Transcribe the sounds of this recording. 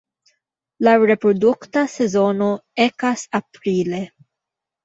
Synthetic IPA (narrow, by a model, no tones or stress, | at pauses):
laɾe̞pɾoduktase̞zo̞no̞ekasapɾile̞